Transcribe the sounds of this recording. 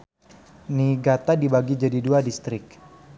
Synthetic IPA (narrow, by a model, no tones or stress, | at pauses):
niɡat̪adibaɡid͡ʒadiduadist̪ɾɪk̚